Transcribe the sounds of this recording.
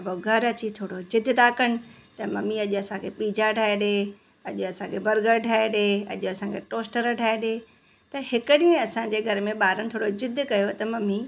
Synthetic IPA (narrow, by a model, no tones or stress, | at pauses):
ɐboɡʱɐɾɐt͡ɕit̪ʰoːɽod͡ʑɪd̪ʱt̪aːkɐɽ̃ɪ̆t̪ɐmɐmiɐʄʊɐsãkʰepiːd͡ʑaʈʰaːeɗe | ɐʄʊɐsãːkʰebɐɾɡəɾʈʰaːeɗeːɐ̰ʄʊɐsãkʰeʈoːsʈəɾʈʰaːeɗeː | t̪ɐɦɪkəɗĩə̃ɐsã̆ːd͡ʑeːɡʱɐɾmẽɓaːɾəñ̆t̪ʰoːɽod͡ʑɪd̪ʱkɐjot̪ɐmɐmi